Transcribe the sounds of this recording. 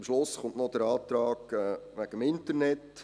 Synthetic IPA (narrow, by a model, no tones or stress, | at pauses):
ɪmʃlʊsχʊnʔnɔd̥əɾɑːt̪ɾɑːɡɛːʋæɡ̥əmɪntəɾnɛt